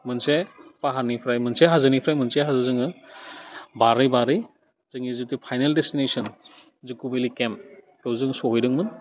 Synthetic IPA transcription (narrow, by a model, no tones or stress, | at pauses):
mɯnsepaɦaɾnipʰɾajmɯnseɦazɯnipʰɾajmɯnseɦazɯzɯŋɯ | baɾɯjbaɾɯj | zɯŋizutipʰajneldestinesɔn | zɯkːubelikem | kewzɯŋsɔɦɔjdɯŋmɯn